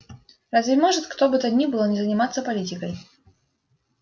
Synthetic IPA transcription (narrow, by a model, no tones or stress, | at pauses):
razvʲɪmɔʐɨt̪kt̪obɨt̪ɐd̪ʲnʲibɨlˠɔnʲɪzənʲɪmat̪sːəpɐlʲitʲɪkəj